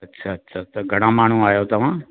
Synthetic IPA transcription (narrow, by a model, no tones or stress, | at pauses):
ɐtːʃʰaətːʃʰaːt̪oɡʱɐɽ̃ãːmaːɽ̤ũaːjot̪ɐʋ̤ãː